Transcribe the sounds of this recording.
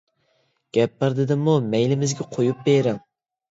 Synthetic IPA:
ɡ̥ʲɛpːɨɾd̪ɪd̪ɪmumɛjlɪmɪzɡʲɛqʰojup̚beɾɪŋ

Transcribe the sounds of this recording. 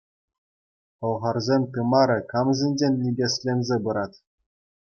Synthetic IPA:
ɤ̆lˠʁɑrzʲemʲt̪ɯmɑɾʲɘ̆kɑmzʲɘ̆nʲd͡ʑʲenʲːibʲesʲlʲenʲzʲebɯɾɑt̪ʲ

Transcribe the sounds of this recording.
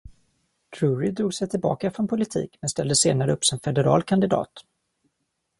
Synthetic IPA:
t̪ʰɾɵːɾɪd̪ɾuːɡsɛjt̪ʰɪlbɑ̰ːkafɾɔnpʰʊlɪt̪ʰḭːkmɛnst̪ɛld̪əseːnaɾəɵpːsɪnfɛd̪ɛɾɑ̰ːlkʰand̪ɪd̪ɑ̰ːt̪

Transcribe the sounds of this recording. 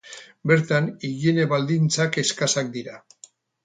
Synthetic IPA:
be̞ɾt̪aniɣineβald̪int͡sake̞skasak̚d̪iɾa

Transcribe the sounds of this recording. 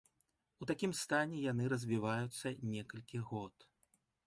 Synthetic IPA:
ut̪akʲimst̪anʲɛjan̪ɨɾɐzʲvʲivajut̪sːɐnʲɛkɐlʲkʲiɣɔt̪

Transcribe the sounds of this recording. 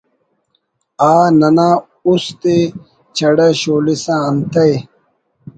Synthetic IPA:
aːnɐnã | ust̪e | t͡ɕʰɐɽɐɕoːlisãːnt̪ɐj

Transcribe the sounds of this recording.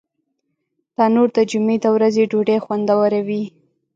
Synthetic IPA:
d̪̥ɑnoɾd̪əd͡ʒumed̪əwɾazeɖoɖexwand̪awaɾawi

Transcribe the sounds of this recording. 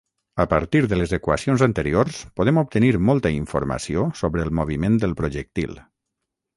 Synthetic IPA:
əpəɾt̪iɾðələzəkwəsionzənt̪əɾioɾspuðɛmup̚t̪əniɾmɔlˠt̪əiɱfṵɾmə̰siosoβɾəːlˠmuβ̞imẽnd̪əlˠpɾuʒək̚t̪ḭlˠ

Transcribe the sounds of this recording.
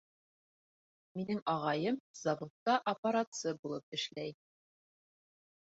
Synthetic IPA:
minɘŋɑʁɑjɤmzɐvot̪ːɑʔɐpɐɾat̪sɤbulˠɤp̚ɘ̆ʃlæj

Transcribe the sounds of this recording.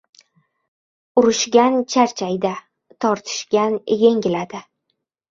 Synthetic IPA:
ʊɾɪʃɡʲant͡ʃʰaɾt͡ʃʰajd̪a | t̪ʰɒɾt̪ʰɪ̥ʃɡʲanje̞ŋɡʲɪlad̪ɪ

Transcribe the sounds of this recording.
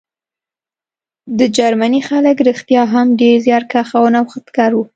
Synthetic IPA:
d̪əd͡ʒaɾmanixaləkɾixt̪jɑɦamɖeɾzjɑɾkaxawənawxət̪kɑɾwu

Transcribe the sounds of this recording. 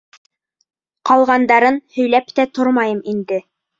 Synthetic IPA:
qɑlˠʁɑnd̪ɑɾɤnhɵ̆jlæpt̪æt̪oɾmɑjɤmind̪ɘ

